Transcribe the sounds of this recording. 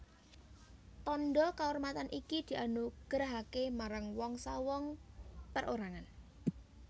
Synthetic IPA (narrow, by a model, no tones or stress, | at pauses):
t̪ɔnɖɔkaormat̪anʔikid̪̥i̤ʔanuɡ̥əɾɦakemaɾaŋwɔŋsawɔŋpərʔoɾaŋan